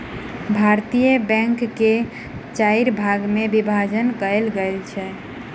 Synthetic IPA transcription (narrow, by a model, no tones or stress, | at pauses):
bʱaɾt̪ijəbɛ̃ŋkːe | t͡ʃaiɾbʱaɡmebibʱad͡ʒənkəelɡəlt͡ʃʰɛ